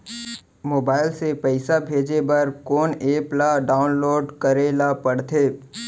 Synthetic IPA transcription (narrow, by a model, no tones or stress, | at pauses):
moːbaːɪlsepɛɪsabʱeːd͡ʒebɐɾkoːneːplaɖaːʊnloːɖkəɾeːlapɐɽt̪ʰeː